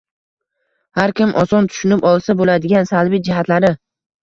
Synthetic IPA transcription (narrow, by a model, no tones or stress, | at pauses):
haɾkʲɪmʔɒsɒnt̪ʰʊ̥ʃʊnɪpɒlˠsabolad̪ɪɡʲansalˠbid͡ʒɪɦat̪laɾɪ